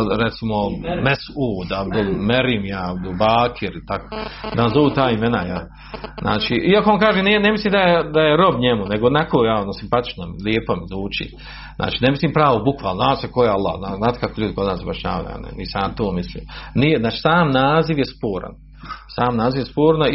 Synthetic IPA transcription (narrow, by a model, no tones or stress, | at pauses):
ɾet̪simomesuːd̪abd̪ulmeɾimjabd̪ulbaːkʰiɾit̪ako̥d̪anzoʋut̪aːimenajal | zna̰ːt͡ʃiʔiakoonkaːʒenienemisliːmd̪ajed̪ajeɾo̞bɲemuneɡoːnakoːjaonosimpat̪i̥t͡ʃnomiliepomizuːt͡ʃḭː | nʔa̰ːt͡ʃiːnemisliːmpɾaːʋobukʋaːlˠnoznaːt̪sekojealˠːa̰ːhnaːznaːt̪e̥kakoʎuːd̪iko̞d̪naːsba̰ʃɲa̰ːʋa̰jṵja̰nḛnḭːsaːmt̪oːmislḭːmnijeznaːt͡ʃi̥ːsaːmnaːziʋjespoːɾa̰n | saːmnaːziʋjespoːɾno